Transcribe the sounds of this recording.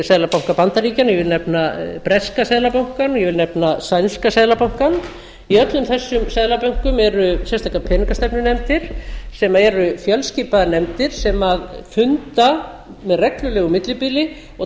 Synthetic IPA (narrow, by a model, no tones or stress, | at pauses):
sɛðlapawŋ̥kapant̪aɾiːcanjɛvɪlnɛpnapɾɛskasɛðlapawŋ̥kanɔjɛvɪlnɛpnasajnskasɛðlapawŋ̥kan | iœt̪lʏmθɛsːʏmsɛðlapœɥŋ̥kʏmɛɾʏsjɛst̪ʰak̪apʰɛnkast̪ɛpnɪnɛmt̪ɪɾ̥sɛmaɛɾʏfjœlsciːpaðnɛmt̪ɪɾ̥sɛmaðfʏnt̪a | mɛðrɛklʏlɛːɣʏmɪt̪lɪpiːlɪ | ɔ